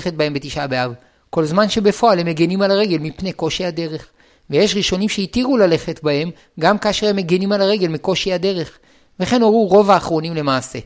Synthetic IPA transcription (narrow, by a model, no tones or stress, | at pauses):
χet̚bahembet̪iʃabeav | ko̞lzmanʃe̞be̞fo̞alhemeɡenimalaʁe̞ɡe̞lmipne̞ko̞ʃiad̪e̞ʁe̞χ | veje̞ʃʁiʃo̞nimʃeitiʁulale̞χetbahe̞m | ɡamkaːʃeʁemeɡenimalaʁe̞ɡe̞lmiko̞ʃiad̪e̞ʁe̞χ | ve̞χe̞noʁuʁo̞vaːχʁo̞nimle̞maːse̞